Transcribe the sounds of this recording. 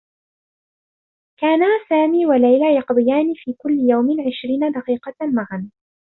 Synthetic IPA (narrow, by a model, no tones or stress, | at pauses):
kaːnasaːmiːwalajlaːjɑqd̪ˤɨjaːnɪfiːkʊlːɪjawmɪʕɪʃɾiːnad̪ɑqiːqɑmaɣan